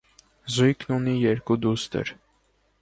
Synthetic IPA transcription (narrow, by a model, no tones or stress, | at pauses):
zujknunijɛɾkud̪ust̪ə̰ɾ